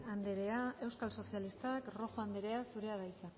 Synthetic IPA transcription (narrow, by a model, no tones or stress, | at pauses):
and̪eɾe̞ae̞wskalso̞sialist̪akro̞xoand̪eɾe̞asuɾe̞aðajt͡sak